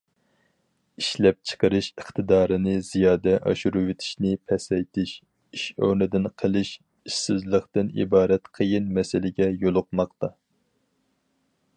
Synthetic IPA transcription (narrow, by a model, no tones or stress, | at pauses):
iʃlɛp̚t͡ʃʰə̥qəɾɨʃəχt̪ʰɨd̪ɑːɾɨnɨz̥ijɑːd̪ɛʔɑ̰ʃuɾuwet̪ʰɪ̥ʃnɪpʰɛsɛjt̪ʰɪʃ | iʃø̰wnɪd̪ɪnqʰəlˠɨʃ | iʃsɪzlˠəχt̪ɨnḭbɑːɾɛt̪qʰəjinmɛsɪlɪɡʲɛjolˠʊq̚mɑq̚t̪ɑ